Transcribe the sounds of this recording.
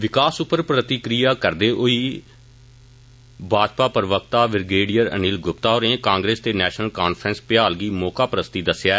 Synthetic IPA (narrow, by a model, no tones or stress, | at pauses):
ʋɪkaːsʊpːəɾpɾət̪ɪkɾijaːkəɾd̪eːʔoiː | bʱaːd͡ʒpaːpəɾʋək̚t̪aːʋɪɾɡeːɖijəɾə̰niːlɡʊp̚t̪aːoːɾẽːkãːŋɡɾeːst̪eːnɛːʃnəlkaːnpʰɾənspjaːlɡiːmɔːkaːpəɾəst̪iːd̪əsɪjaːɛ